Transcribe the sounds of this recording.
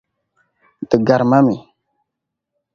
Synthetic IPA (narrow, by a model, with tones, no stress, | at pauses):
tə˨ɡa˨ɾma˦mi˨